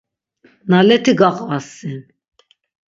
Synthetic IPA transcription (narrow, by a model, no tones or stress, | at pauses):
nalɛt̪ʰiɡaχʼasin